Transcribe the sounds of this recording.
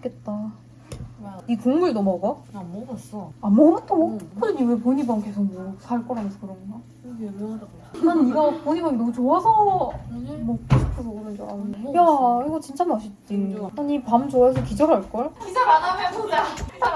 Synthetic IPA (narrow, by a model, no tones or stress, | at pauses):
k͈et̚t͈a | ikoŋmuɭnʌmʌɡʌms͈amʌɡɯtʰokʰɯɾʌɲiwepoɲibaŋkesʰoŋmʌsʰaɭk͈ʌɾɦamʌnsʰʌkɯɾʌnina | aniɡʌpoɲibaminʌmut͡ɕoŋasʰʌ | mʌkʰipʰosʰʌɡɾʌd͡ʑoajaiɡʌt͡ɕint͡ɕ͈ʰamaɕʰit͈iaɲipamt͡ɕoas̬ʰʌkid͡ʑʌɾɦaɭk͈ʌjokid͡ʑʌɾanamjʌn